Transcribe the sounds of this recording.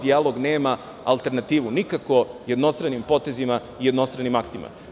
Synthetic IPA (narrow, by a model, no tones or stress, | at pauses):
d̪ialo̞ɡneːma | alt̪e̞ɾnat̪iːʋunikako̞je̞d̪no̞st̪ɾanimpo̞t̪e̞zima | ijed̪no̞st̪ɾanimakt̪ima̰